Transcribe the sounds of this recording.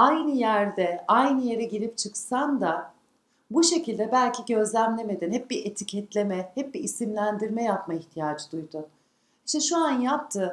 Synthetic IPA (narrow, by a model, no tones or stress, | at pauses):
ajnɯjæɾd̪ɛajnɯje̞ɾɛɟilʲip̚t͡ʃʰɯksand̪a | buʃe̞cilʲd̪ɛbælʲcʰiɟø̞zlʲæmlʲe̞me̞d̪inhɛp̚biet̪ʰicʰɛt̪lʲe̞mɛhɛp̚biːsimlʲænd̪iɾmɛjapmaiçt̪ʰijaːd͡ʒɯd̪ujd̪un | iʃt̪ʰɛʃuanjap̚t̪ʰɯ